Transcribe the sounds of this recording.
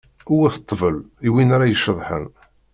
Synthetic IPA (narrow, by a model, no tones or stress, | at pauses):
uwæθət̪ˤːvəliwinaɾajəʃːəðˤħə̰n